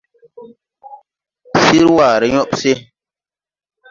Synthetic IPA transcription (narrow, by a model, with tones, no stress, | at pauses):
si˦ɾwa˨ɾə˨˦ɲɔ˦pse˦